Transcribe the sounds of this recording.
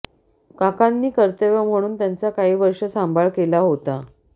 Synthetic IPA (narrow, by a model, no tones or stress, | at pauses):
kakanːiːkəɾt̪əʋəm̤əɽ̃uːnt̪jant͡sakaɦiːʋəɾʂəsambʱaɭkelaɦot̪a